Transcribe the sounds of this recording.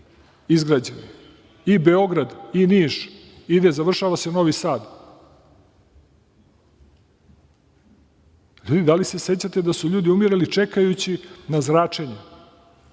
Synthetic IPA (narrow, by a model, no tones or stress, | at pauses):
izɡɾad͡ʑeni | ibe̞o̞ɡɾad̪iniːʃ | id̪e̞zaʋr̩ʃaːʋase̞no̞ʋisaːd̪ | ʎuːd̪id̪alise̞se̞t͡ɕat̪e̞d̪asuʎuːd̪iumiɾelit͡ʃe̞kajut͡ɕinazɾaːt͡ʂe̞ɲe